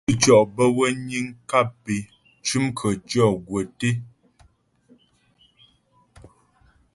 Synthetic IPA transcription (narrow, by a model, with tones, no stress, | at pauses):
t͡ʃɔ˨ʔbə˦wə˦ɲi˦ŋka˦˨pe˨ | t͡ʃʉ˦mkʰə˨t͡ʃɔ˦˨ɡwə˨te˦